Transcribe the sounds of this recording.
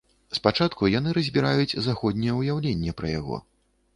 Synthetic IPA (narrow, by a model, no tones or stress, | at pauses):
spat͡ʂat̪kujanɨɾɐzʲbʲiɾajut͡sʲzaxɔd̪ʲnʲɛjɛwjawlʲenʲːɛpɾɐja̰ɣɔ̰